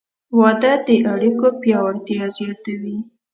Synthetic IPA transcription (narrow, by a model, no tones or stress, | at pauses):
wɑd̪ad̪əʔaɽikopjɑwaɾt̪jɑzjɑt̪awi